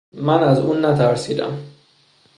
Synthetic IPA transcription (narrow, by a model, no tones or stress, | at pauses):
mænæzuːnːæt̪ʰæɾsiːd̪æ̰m